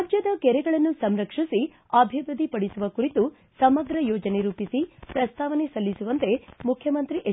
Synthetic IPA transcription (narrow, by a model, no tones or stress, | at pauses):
d͡ʒjɐd̪ɐkɛɾɛɡɐɭɐnːusɐmɾɐkʂisi | ɐbʱiʋɾud̪ʱipɐɽisuʋɐkuɾit̪u | sɐmɐɡɾɐjoːd͡ʒɐneɾuːpisipɾɐst̪ʰaːʋɐne̞sɐlːisuʋɐnt̪e̞mukʰjɐmɐnt̪ɾiʔe